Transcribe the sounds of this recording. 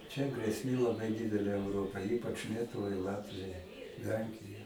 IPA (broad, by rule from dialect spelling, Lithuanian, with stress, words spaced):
t͡ʃʲɛ ɡrʲeːsʲˈmʲeː lˠɐˈbɐɪ ˈdʲɪdʲɛlʲeː ɛʊˈroːpɐɪ ˈiːpɐt͡ʃ ˈlʲiɛtʊʋɐɪ ˈlˠɑːtʲʋʲɪjɛɪ ˈlʲɛŋʲkʲɪjɛ